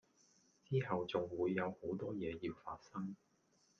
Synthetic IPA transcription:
t͡siː˥hɐ˨wt͡sʊ˨ŋwuː˨˧jːɐ˨˧who˨˥wt̪ɔː˥jɛː˨˧ji˧wfa̰ː˧t̚sɐ˥ŋ

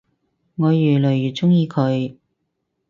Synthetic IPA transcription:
ŋɔː˨˧jyː˨˩lɵ˨˩ɥjyː˨˩t͡sʊ˥ŋjiː˧kʰɵ˨˧ɥ

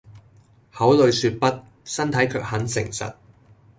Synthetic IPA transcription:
hɐ˨˥wlɵ˨˧ɥsyː˧t̚pɐ˥t̚ | sɐ˥nt̪ʰɐ˨˥jkʰœː˧k̚hɐ˨˥nsɪ̰˨˩ŋsɐ̰˨t̚

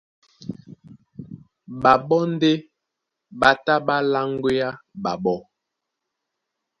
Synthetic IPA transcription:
ba˨ɓɔ˦n˦de˦ | ba˦ta˦ɓa˦la˦ŋɡwe˦a˦ɓa˨ɓɔ˦

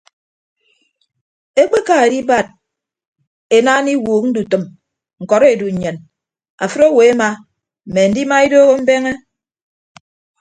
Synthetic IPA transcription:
e˦k͡pe˦ka˦e˨di˦ba˦˨t̚ | e˨naː˦ni˦wuː˨k̚n̩˦du˨tɨ˨m | ŋ̩˨kɔ˨ɾe˨du˨ɲ̩˨ɲe˨n | a̰˨fɨ˦ɾo˦we˨e˦ma˦ | m̩˨me˨n̩˦di˦ma˦e˦doː˦ɣo˦m̩˦be˦ŋe˦

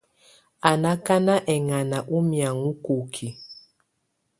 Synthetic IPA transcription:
a˨na˦ka˦na˦ʔɛ˨ŋa˨na˨ʔu˦mja˨ŋu˦ko˨kʰi˨

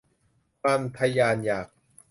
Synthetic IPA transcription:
pa˧mt̪ʰa˧jaː˧njaː˨˩k̚

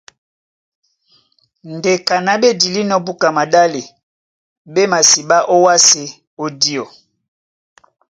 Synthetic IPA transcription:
nde˨ka˨na˨be˦di˨li˦nɔ˦bu˦ka˨ma˨da˦le˨ | be˦ma˨si˨ba˦ʔo˦wa˦se˨ | o˦di˦o˨

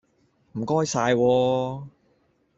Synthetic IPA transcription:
m̩˨˩kɔː˥jsaː˧jwɔː˧

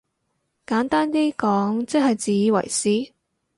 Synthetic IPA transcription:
kaː˨˥nt̪aː˥nt̪iː˥kɔː˨˥ŋt͡sɐ˥k̚hɐ˨jt͡siː˨jiː˨˧wɐ̰˨˩jsiː˨˥

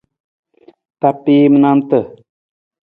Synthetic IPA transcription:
t̪a˨pːiː˦mna˦mt̪ə˨

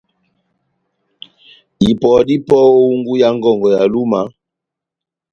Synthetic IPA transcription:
i˨pɔ˨di˦pɔ˦o˦u˦ŋɡu˦ja˦ŋɡɔ˦˨ŋɡɔ˨ja˨lu˦ma˨˦

